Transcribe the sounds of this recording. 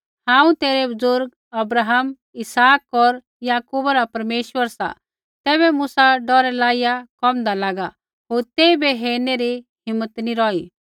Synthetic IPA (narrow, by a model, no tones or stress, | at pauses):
hãːũt̪eːɾebʊzʊɾɡ | ɐbɾaːɦəm | ɪsaːkɔɾ | jaːkuːbaɾapɐɾmeːʃwʋəɾsa̰ | t̪ɛːβɛmusaɖɔːɾɛlaːɪjakɔmd̪alaːɡa | ɦoːɾt̪eːibeɦeːneɾiɦɪmːət̪niɾɔːi